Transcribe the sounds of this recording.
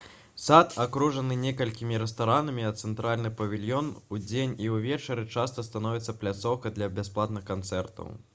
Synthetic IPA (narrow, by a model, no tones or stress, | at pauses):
sat̪akɾuʐɐnɨnʲɛkɐlʲkʲimʲiɾɛst̪aɾanɐmʲiɐt̪t̪sɛnt̪ɾalʲnɨpɐvʲilʲjɔnud͡zʲenʲiwvʲɛt͡ʂɐɾɨt͡ʂast̪ɐst̪anɔvʲit̪sɐplʲat̪sɔwkɐd̪lʲɐbʲasplˠat̪̚nɨxkant̪sɛrt̪ɐ̰w